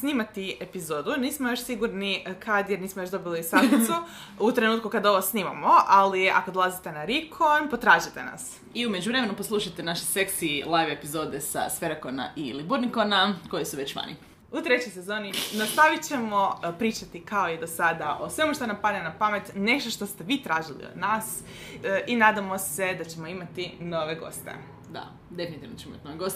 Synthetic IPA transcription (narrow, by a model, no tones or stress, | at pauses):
sniːmat̪iepizoːd̪uniːsmojoʃsiɡuɾnikʰad̪jeɾniːsmojoʃd̪o̞biliisasu | ut̪ɾe̞nuːt̪̚kukad̪o̞ʋosniːma̰moalia̰kod̪olˠazit̪e̞naɾikʰonpo̞t̪ɾaːʒit̪e̞na̰s | iume̞d͡ʒuʋɾe̞me̞nuposlˠuʃajt̪enaʃeseksiilˠajʋepizod̪esa̰sfe̞ɾakona̰ʔilibuɾnikonako̞jisuʋet͡ɕʋa̰ːnḭ | ut̪ɾe̞t͡ɕojse̞zo̞ːninast̪aʋit͡ɕe̞mo̞pɾiːt͡ʃat̪ikao̞id̪osad̪aʔo̞sʋe̞moʃt̪anampad̪nenapame̞t̪ne̞ʃt̪oʃt̪o̞st̪e̞ʋiːt̪ɾaːʒilḭod̪naːs | ʔinaːd̪amo̞sed̪at͡ɕe̞mo̞imat̪ino̞ʋe̞ɡo̞̰st̪ḛ | d̪a̰ | d̪e̞finit̪iʋnot͡ɕemioimat̪inoʋeɡost̪e